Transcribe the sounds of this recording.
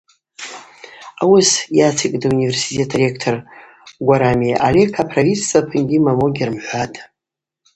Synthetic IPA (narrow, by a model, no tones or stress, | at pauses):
awʊsjat͡sʰikʼdaunivʲe̞rsi̥tʰe̞tʰrekʰtʰor | ɡʷaɾamiʔalekʰapʰravit͡st͡sapʰɨnɡʲimamoɡʲirmħʷatʼ